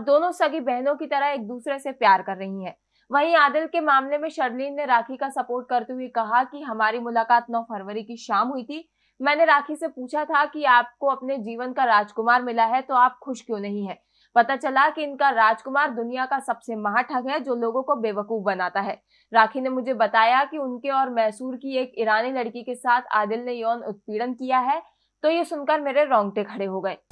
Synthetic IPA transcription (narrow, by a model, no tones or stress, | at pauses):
p̚d̪oːnõsɐɡibɛɦnõkit̪ɐɾəɦeːk̚d̪uːsɾesepjaːɾkɐɾːɐɦĩɦɛ̃ː | ʋɐɦĩaːd̪ɪlkemaːmlemẽʃɐɾliːnːeɾaːkʰikasɐpoːɾʈ̚kɐɾt̪eɦuekɐɦakiɦɐmaːɾimʊlaːkaːt̪nɔːpʰɐɾʋəɾikiʃaːmɦʊit̪ʰiː | mɛ̃ːneɾaːkʰisepuːt͡ʃʰat̪ʰakiaːp̚koɐpned͡ʒiːʋənkaɾaːd͡ʒkʊmaːɾmɪlaɦɛt̪oaːp̚xʊʃkjõːnɐɦĩɦɛ̃ː | pɐt̪at͡ʃɐlakiɪnkaɾaːd͡ʒkʊmaːɾd̪ʊnijakasɐbsemɐɦãʈʰəɡɦɛd͡ʒoːloːɡõkobeːʋəkuːfbɐnaːt̪aɦɛː | ɾaːkʰinemʊd͡ʒʱebɐt̪aːjakiʊnkeɔːɾmɛːsuːɾkieːkɪɾaːnilɐɽkikesaːt̪ʰa̰ːd̪ɪlnejɔːnʊ̰t̪̚piːɽənkijaɦɛ | t̪oːjesʊnkəɾmeːɾeɾɔ̃ːŋɡʈekʰɐɽeɦoɡɐeː